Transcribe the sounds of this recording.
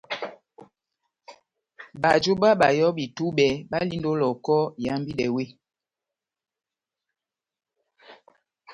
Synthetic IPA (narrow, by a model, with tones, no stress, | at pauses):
ba˨d͡ʒo˦ba˦ɓa˨jɔ˦bi˨tu˦ɓɛ˨˦ɓa˦li˦ndo˦lɔ˨kɔ˦ja˨˦mbi˦lɛ˨we˦